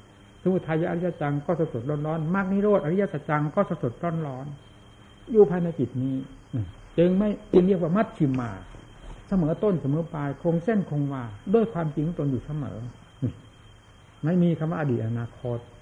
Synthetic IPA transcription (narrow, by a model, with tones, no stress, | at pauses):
sa˧˦mu˨˩t̪ʰːa˧jːa˧ʔa˧ɾi˦˥j̪a˧˩t͡ɕa˧ŋkɔː˥˩sa˧so˨˩t̪̚ɾɔː˧˥˩nɾɔː˦˥nma˧˩k̚niː˧˥˨ɾoː˥˩t̪̚ʔɾi˦˥ja˧˥sa˧t͡ɕa˧ŋkɔː˥˩sa˧˥so˨˩t̪̚ɾɔː˧˥˩nɾɔː˦˥n | juː˧˩pʰaː˧jna˧jt͡ɕi˨˩t̪̚niː˦˥˩ʔɯ˧˩ | t͡ɕɯ˧ŋma˥˩jt͡ɕɯ˧ŋɾi˥˩ək̚waː˧˩ma˦˥˩t̪̚t͡ɕʰi˨˧˩mːa̰ː˧˩ | sa˧mɤː˨˩˦t̪o˧˥˩nsa˧mɤː˨˩˦paː˧jkʰo˧ŋse˥˩nkʰo˧ŋwaː˧˩do˧˩˨jkʰwaː˧mt͡ɕi˧ŋː˧˥˦t̪o˧njuː˨˩sa˧mɤ̰ː˩˦˧ | ma˥˩jmiː˧kʰa˧mwaː˧ʔa˧diː˨˩t̪̚ʔa˧naː˧kʰo˦˥t̪̚